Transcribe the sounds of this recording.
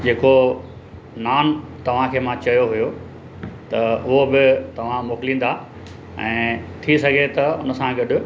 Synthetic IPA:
d͡ʑeːko | naːnt̪ɐʋ̤ãkʰeːmãt͡ɕɐjoɦʊjo | t̪ɐʊɦobɪt̪ɐʋ̤ãmoːklĩːn̆d̪a | ɛ̰̃ːt̪ʰisɐɡʱet̪ɐʊnəsãɡɐɗ

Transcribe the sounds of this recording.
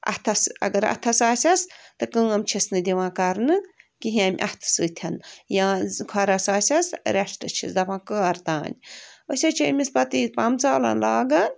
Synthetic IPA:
ɐ̰ht̪ʰɐsɐ̰ɡɐɾɐ̰t̪ʰɐsaːsʲɐst̪ɨkɨːɐmt͡ʃʰisnɨd̪ʲiʋãːkɐɾnɨkiɦĩãːmʲʔɐ̰ht̪ʰɨ̥sɨːt̪ʲʰɐnjãːkʰɐɾɐsaːsʲɐsɾʲɐʂʈɨ̰t͡ʃʰḭsd̪ɐpʰãːkəɾt̪aːnʲosʲɐt͡ʃʰimʲispɐt̪iːpɐmt͡saːlɐ̰nlaːɡɐn

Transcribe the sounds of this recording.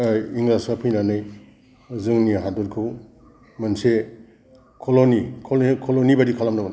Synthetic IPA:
ajiŋlasapʰɯjnanɯj | zɯŋniɦaduɾkʰɯw | manse | kʰɔlonikʰolkʰolonibadikʰalamnaan

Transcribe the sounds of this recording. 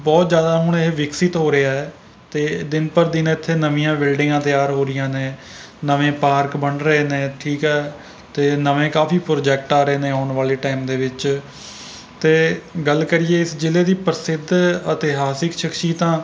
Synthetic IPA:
bɔːt̪zjaːd̪aːɦʊɳeɦeːʋɪksɪt̪ɦoːɾəaːɛː | t̪eːd̪ɪnpəɾd̪ɪnɪt̪ʰːeːnəʋɪ̃jãːbɪlɖɪːãːt̪ɪjaːɾɦoːɾɪjãːnẽː | nəʋẽːpaːɾkbəɳɾəeːnẽːʈʰiːkɛː | t̪eːnəʋẽːkaːfʰiːpɾoːd͡ʒɛːk̚ʈaːɾəeːnẽːaːʊɳʋaːleːʈaːimd̪eːʋɪt͡ʃ | t̪eːɡəlkəɾiːeːɪsd͡ʒɪleːd̪iːpəɾsɪd̪ʱət̪ɪɦaːsɪkʃəkʃiːt̪ãː

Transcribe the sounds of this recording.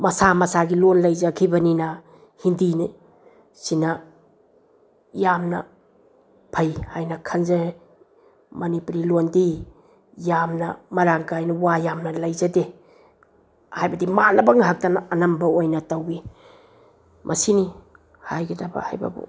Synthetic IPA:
mɐsamɐsaɡilonlɐjzakʰibɐninɐ | hindin | sinɐ | jamnɐ̰ | pʰajhajnɐkʰɐnze | mɐnipuɾilondi | jamnɐ̰mɐɾaŋkajnɐwajamnɐlɐjzade | hajbɐdimalɐbɐŋɦak̚tanaɐnɐmbɐojnɐtɐwi | mʔɐsini | hajɡɐdabɐ̰ha̰jbɐ̰bṵ

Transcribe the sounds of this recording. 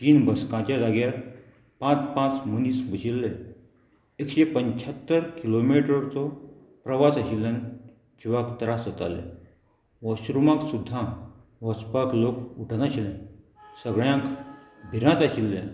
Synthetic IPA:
t̪iːnbəskãt͡ɕad͡zaɡjaɾ | pãt͡spãt͡smənisbʱəɕilːe | ekɕepəɲt͡ɕʰət̪ːəɾkilomiʈɾəɾt͡sɔ | pɾəʋasəɕilːən | d͡ʑiʋakt̪əɾasət̪a̰lḛ | ʋəɕɾumãksud̪ʱːãʋəspaklokuʈʰanaɕilɛ̃ | səɡɭjãkbʱiɾãt̪aɕilːẽ

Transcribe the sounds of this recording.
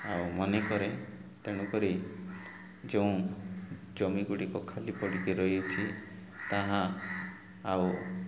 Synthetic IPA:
awmɔnekɔɾet̪eɽ̃ũkɔɾi | d͡ʒeũ | d͡ʒɔmiɡuɽikɔkʰalipɔɽit̪iɾɔjut͡ʃʰi | t̪aɦã | aw

